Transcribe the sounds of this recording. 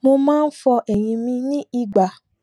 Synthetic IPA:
mo˧mãː˦˧n̩˦fɔ˧ʔɛ˨ɾ̃ĩ˧mĩ˧nĩ˦i˦˨ɡ͡ba˨

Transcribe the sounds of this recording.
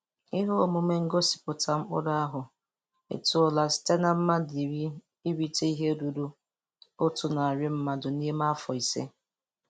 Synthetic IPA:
ɪ˦ɦo˦o˨mʊ˨me˦ŋ̩˦ɡo˦si̥˨pʊ˨tʰa˨m̩˦ʊ̰˦da˦a˦ɦʊ˨ | ḛ˨tʊ˦ʊ˦la˦si̥˦te˦na˦m̩˦ma˦di˨ɾi˦ | i˦ɾi˦te˦i˦ɦe˦du˨du˦ | o˦tʊ˨na˨a˨ɾɪ˦m̩˦ma˦dʊ˨ni˦e˦ma˦fɔ˨i˨sḛ˦

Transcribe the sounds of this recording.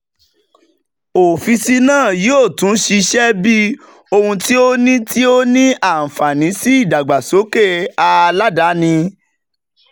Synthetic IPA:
o˨fi˧si˧˦nãː˦˨joː˦˨tũ˨˦ʃi˧ʃɛ˦bi˦ | o˧hũ˧ti˦o˦nĩ˦ti˦o˦nĩ˦a˦˨n̩˨fa˨nĩ˨˦si˦i˦˨da˨ɡ͡ba˨so˨˦ke˦˨a˧la˦da˨˦nĩ˧

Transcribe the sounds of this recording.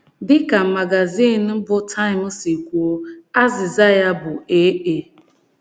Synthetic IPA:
dɪ˦ka˨ma˨ɡa˨ziː˦˨n˨m̩˦bʊ˦tʰa˦ɪ˨m̩˦si˨kʷu˨o˦a˦zɪ˨za˦ja˦bʊ˨e˦ʔe˨

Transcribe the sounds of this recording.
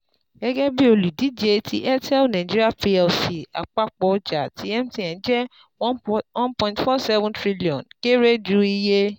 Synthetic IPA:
ɡɛ˦ɡɛ˦bi˦o˧lu˨di˨˦d͡ʒe˧tʰi˧ʔɛ˦tɛ˦lnã˨d͡ʒi˦i˦a˦˨pi˧ɛ˧lfi˨a̰˨k͡pa˦k͡pɔ˧d͡ʒa˨tʰi˨˦ɛ˦mti˦˨ɛ̃˨˦d͡ʒɛ˦ | wɔ̃˦npɔ̃˧ĩ˨ntfɔ˦sɛ˦vũ˦ntɾi˦li˨ɔ̃˨nke˦ɾe˦d͡ʒu˦i˧je˦

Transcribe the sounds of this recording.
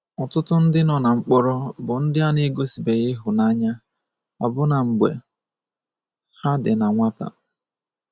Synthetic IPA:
ɔ˨tʊ˦tʊ˦n̩˦dɪ˦nɔ˨na˨ŋ͡m̩˦k͡pɔ˦ɾɔ˦bʊ˨n̩˦dɪ˦a˦ne˦ɡo˦si˨be˨ɣɪ˦ɦʊ˨na˦ɲa˦ | a̰˨bʊ˦na˨ŋ͡m̩˨ɡ͡bḛ˨ | ha˦dɪ˨na˨ŋʷa˦ta̰˨

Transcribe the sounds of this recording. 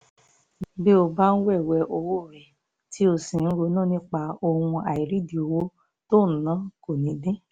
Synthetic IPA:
be˦o˧ba˦n̩˦wɛ˦˨wɛ˧ʔo˧wo˦˨ɾɛ˨ | ti˨˦o˧sĩ˨n̩˦ɾo˧˦nã˦˨nĩ˦k͡pa˧o˧hũ˧a˨i˨ɾi˨˦di˨o˧wo˦ | to˦˨n̩˨nã˨˦ko˨nĩ˨˦dẽ˦

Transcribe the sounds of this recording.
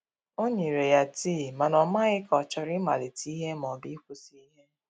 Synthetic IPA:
o˦ɲe˨ɾe˨ja˨ti˦˨ma˨nɔ˨ma˦ɣɪ˦kɔ˨t͡ʃɔ˨ɾɪ˦ma˨le˨ti˦i˦ɦe˦mɔ˨bi˦kʷu˦si˦i˦ɦe˦

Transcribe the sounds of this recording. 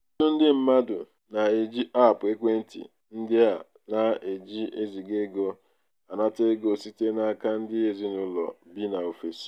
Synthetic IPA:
tʊ˦n̩˦dɪ˦m̩˦ma˦dʊ˨ | na˨e˦d͡ʒi˦a˦˨pʊ˨e˦kʷe˦n̩˦tḭ˨ | n̩˦dɪ˦a˨ | na˦e˨d͡ʒi˦e˦zi˨ɡe˦ɡo˦ | a˨na˦te˦ɡo˨si˦te˦na˦ka˦n̩˦dɪ˦e˦zi˦nʊ˦lɔ̰˨bi˦na˨o˨fe˨s

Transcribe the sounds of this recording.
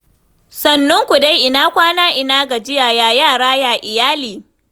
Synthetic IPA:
sɐ˨nːʊ˦ŋkʷu˨da˦jʔɪ˨naː˦kʷaː˦naː˦ʔɪ˨naː˦ɡa˨d͡ʒɪ˦jaː˨jaː˨jaː˦˨ɽaː˦jaː˨ʔɪ˨jaː˦liː˨

